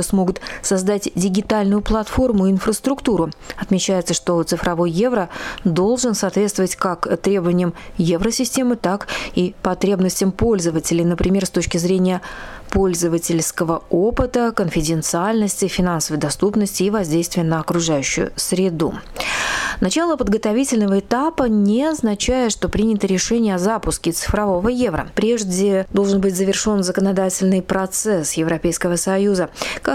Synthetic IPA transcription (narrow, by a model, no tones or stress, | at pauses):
smo̞ɡʊt̪sɐzd̪atʲdʲɪɡʲɪt̪alʲnʊjʊplˠɐt̪fo̞rmʊɪɪnfrəst̪ɾʊkt̪uɾʊɐt̪mʲɪt͡ɕæjɪt̪səʂt̪o̞t̪sɨfɾɐvo̞jːe̞vɾəd̪o̞lˠʐɨnsaːt̪vʲest̪vəvətʲkakt̪ɾʲe̞bəvənʲɪjəmjevɾəsʲɪsʲtʲe̞mɨt̪akipɐt̪ɾʲe̞bnəsʲtʲɪəmpo̞lʲzəvətʲɪlʲɪjnəpɾʲɪmʲe̞rst̪o̞t͡ɕkʲɪzɾʲenʲɪjəpo̞lʲzəvətʲɪlʲskəvəo̞pɨt̪əkənfʲɪdʲɪnt̪sɨalʲnəsʲtʲɪfʲɪnansəvəjd̪ɐst̪upnəsʲtʲɪːvɐzʲdʲejst̪vʲɪjənəɐkɾʊʐajʉɕːʊ̰jʊ̰sɾʲɪd̪ṵ | nɐt͡ɕalˠəpəd̪ɡət̪ɐvʲitʲɪlʲnəvəɪt̪apənʲɪɐznɐt͡ɕæjɪt̪ʂt̪o̞pɾʲinʲɪt̪əɾʲɪʂɛnʲɪjəɐzapʊskʲɪt̪sɨ̥fɾɐvo̞vəje̞vɾə̰pɾʲe̞ʐdʲɪd̪o̞lˠʐɨnbɨtʲzəvʲɪrʂo̞nzəkənad̪atʲɪlʲnɨjpɾɐt̪sɛsjɪvɾɐpʲejskəvəsɐjuzəka